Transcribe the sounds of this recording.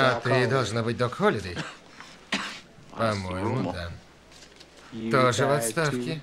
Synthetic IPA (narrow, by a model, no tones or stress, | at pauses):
at̪ɨd̪alˠʐnɔbɨd͡ʑ̚ʲd̪ɔkɔlʲid̪ɨj | pɐmɔjmud̪a | t̪ɔʐɛvɔt̪st̪afkʲi